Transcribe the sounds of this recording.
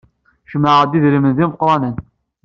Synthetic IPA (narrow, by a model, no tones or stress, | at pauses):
ʃəmːaʕəd̪iðɾimənðiməqɾˤɑnən